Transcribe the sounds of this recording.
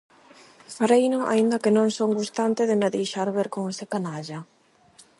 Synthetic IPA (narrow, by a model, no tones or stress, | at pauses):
faɾejnʊʔa̰ind̪ɐkɪnõŋsoŋɡust̪ant̪ɪðɪnaðijʃaɾβeɾkoŋesɪkanaʒɐ